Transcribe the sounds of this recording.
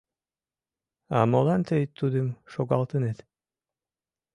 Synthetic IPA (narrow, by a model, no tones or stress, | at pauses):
ɑmolˠɑnt̪øjt̪ːud̪əmʃoɣɑlˠt̪ənet̪